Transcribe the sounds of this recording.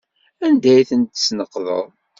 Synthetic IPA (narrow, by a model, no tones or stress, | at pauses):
ænd̪æjθənt̪snəqːðˤə̰ðˤ